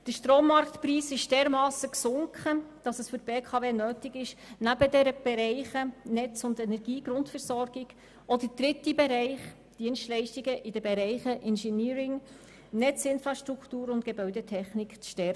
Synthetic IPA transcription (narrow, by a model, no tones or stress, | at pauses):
d̥əʃtroːmːɑɾkt̪priːsɪʃd̥ɛːɾmɑːsəksʊŋkχəd̥ɑsəsfʏɾtb̥eːkʰɑveːnøːtɪɡɪʃnæbədɛɾəb̥ɛɾɛɪχənɛt͡sʊndɛnɛɾɡiːɡɾʊntfɛɾsɔɾɡɪɡ̥ | ʔɔdəd̥ɾɪtibɛɾɛɪχ | d̥iənstlɛɪʃtiɡəʔɪd̥əbɛɾɛɪχəʔɪnʃɛniːɾɪŋ | nɛt͡sɪnfɾɑʃtɾuktuːɾʊntɡ̥ɛbœʏɥdətʰɛχnɪkt͡sʃtɛɾə